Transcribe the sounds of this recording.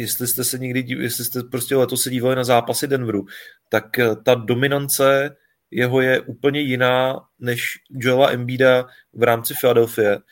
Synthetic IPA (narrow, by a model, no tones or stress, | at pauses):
jɛst̪lɪst̪ɛsɛɲɛɡdɪjɛst̪lɪst̪ɛpɾoscɛlɛt̪o̞ssɛɟiːvalɪnazaːpasɪdɛnvɾut̪akt̪ado̞mɪnant͡sɛ | jɛɦo̞jɛʔuːpl̩ɲɛjɪnaː | nɛʃd͡ʒoɛlaʔɛmbiːda | vɾaːmt͡sɪfɪladɛlfɪjɛ